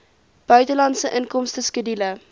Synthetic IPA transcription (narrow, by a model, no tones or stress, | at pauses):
b̥œɥtəlɑntsəʔənkɔmstəskədilə